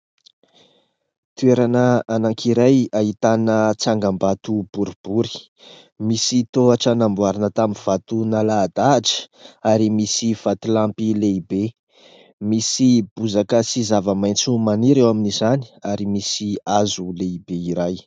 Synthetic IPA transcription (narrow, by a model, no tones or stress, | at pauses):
t̪ueɾanəanaŋkʰiɾajaɦit̪anət͡saŋɡambat̪ub̥uɾub̥uɾi̥ | misit̪oaʈ͡ʂanambuaɾinət̪aminv̥at̪unalad̪aʈ͡ʂə̥aɾimisiv̥at̪ulampileibe | misib̥uzakəsizavəmajnt͡sumaniɾewaminizani̥aɾimisiazuleibeiɾaj